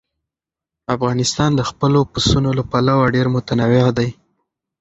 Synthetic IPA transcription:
afɣɑnɪst̪ɑnd̪əxpəlopusunolapalawaɖeɾmʊt̪anawɪɑd̪aj

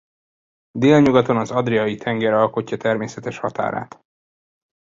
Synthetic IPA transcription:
d̪eːlɲuɡɒt̪o̞nɒzɒd̪rijɒjit̪ʰɛŋɡɛɾɒlko̞cːɒt̪ɛrmeːsɛt̪ɛʃhɒt̪a̰ːɾa̰ːt̪

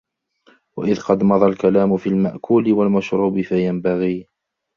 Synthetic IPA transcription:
wa̰ʔɪðqɑd̪mɑðˤɑlkalaːmʊfiːlmaʔkʰuːlɪwalmaʃɾuːbɪfajambaɣiː

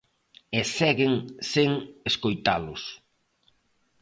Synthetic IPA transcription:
esɛɣɪŋseŋeskojt̪alʊs

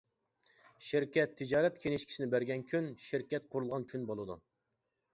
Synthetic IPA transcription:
ʃiɾkʲɛt̪ʰːɨd͡ʒɑːɾɛt̪kʲʰeŋɪʃkʲʰi̥ʃinɪbæɾɡʲɛnkʲʰynʃɪɾkʲɛt̪qʰʊɾulˠʁɑnkʲʰynbolˠɨd̪ṵ

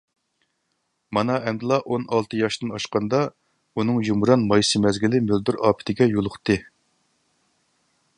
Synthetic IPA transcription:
mɑnɑʔɛmd̪ɨlˠɑʔonɑlˠt̪ʰɨjɑʃt̪ɨnɑʃqɑnd̪ɑ | unɨŋjumɾɑnmɑjsɨmɛzɡʲilɪmɪld̪uɾɑːpʰɪ̥t̪ʰɪɡʲɛjolˠʊχt̪ɨ

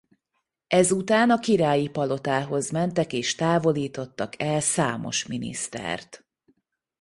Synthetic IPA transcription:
ɛzut̪aːnɒkiɾaːjipɒlo̞t̪aːɦo̞zmɛnt̪ɛkeːʃt̪aːvo̞liːt̪o̞t̪ːɒkʰɛlsa̰ːmo̞̰ʃminḭst̪ɛ̰rt̪

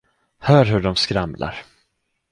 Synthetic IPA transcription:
hœːɾɦɵɖɔmskɾamlʔa̰ɾ

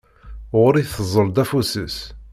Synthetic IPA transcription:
ʁʊɾiθəzˤəld̪æfusəs

